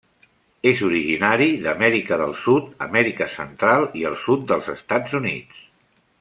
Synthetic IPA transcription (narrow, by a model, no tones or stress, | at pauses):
ezuɾiʒinaɾiðəmɛɾikəðəlˠsut̪̚ə̰mɛɾikəsə̰nt̪ɾalˠiəlˠsut̪̚d̪əlˠzəst̪ad͡zunḭt͡s